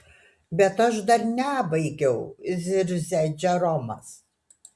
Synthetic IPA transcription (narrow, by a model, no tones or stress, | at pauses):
bʲɛt̪ɐʃd̪ɐɾnʲæːbɐɪɡʲɛʊzʲɪɾʲzʲɛd͡ʒʲɛɾɔmɐs